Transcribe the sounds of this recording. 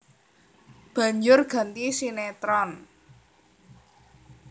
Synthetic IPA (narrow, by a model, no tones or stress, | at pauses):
b̥a̤ɲd͡ʒʊrɡ̥a̤nt̪isinet̪ɾɔn